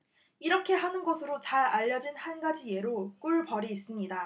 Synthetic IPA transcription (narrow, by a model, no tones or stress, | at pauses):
iɾʌkʰe̞ɦanɯnɡʌsʰɯɾot͡ɕaɾaʎːʌd͡ʑinhanɡad͡ʑije̞ɾok͈uɭpʌɾiːs͈ɯmɲida